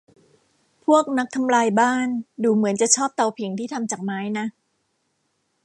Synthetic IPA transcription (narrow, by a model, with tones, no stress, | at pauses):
pʰu˥˩ək̚na˦˥k̚t̪ʰa˧mlaː˧jbaː˥˩nduː˨˩mɯ˩˦ənt͡ɕa˨˩t͡ɕʰɔː˥˩p̚t̪a˧wpʰi˩˦ŋt̪ʰiː˥˩t̪ʰa˧mt͡ɕaː˨˩k̚maː˨˦˥jna˦˥